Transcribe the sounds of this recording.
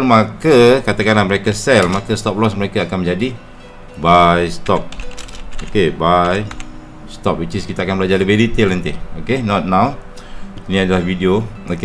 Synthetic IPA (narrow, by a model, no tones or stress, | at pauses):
lmakəkat̪akanlaməɾekasɛlmakast̪ɔp̚lɔsməɾekaakanmə̃ɲd͡ʒadi | bajst̪ɔp̚okebaj | st̪ɔp̚wit͡ʃiskit̪aakanbəlad͡ʒalibelit̪ilənt̪iokenɔt̪̚nãw | nĩadalahvidiooke